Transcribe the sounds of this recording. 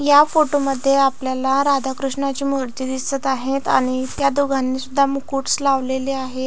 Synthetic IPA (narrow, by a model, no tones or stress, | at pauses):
jafoʈoməd̪ʱːjeapljalaɾad̪ʱakɾuʂɳat͡ɕiːmoɾt̪id̪isət̪aɦet̪aɽ̃it̪jad̪uɡʱanːisud̪ʱːamukuʈslaʋleliːaɦe